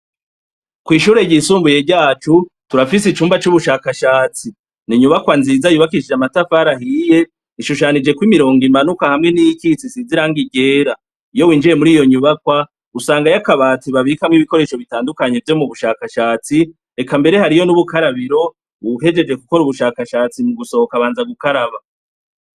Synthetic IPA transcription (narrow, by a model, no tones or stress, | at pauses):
kwiːʃuːɾe̞ɟisuːmbuje̞ɟaːt͡ʃutuɾafisit͡ʃuːmbat͡ʃuβuʃaːkaʃaːt͡si | niɲuβakwanziːzajuβakiʃid͡ʒamatafaɾahije̞ | iʃuʃanid͡ʒe̞kwimiɾo̞ːŋɡimanukahamŋe̞nijikit͡sisiziɾaːŋɡiɟe̞ːɾa | ijo̞wiːnd͡ʒiɾe̞muɾiːjo̞ɲuβakwa | usaːŋɡajakaβaːtiβaβikamŋiβiko̞ɾe̞ːʃo̞βitaːndukaɲe̞vjo̞muβuʃaːkaʃaːt͡si | e̞kambe̞ɾe̞haɾijo̞nuβukaɾaβiɾo̞ | βuhe̞d͡ʒe̞d͡ʒe̞kuko̞ɾuβuʃaːkaʃaːt͡simuɡuso̞okaβaːnzaɡukaɾaβa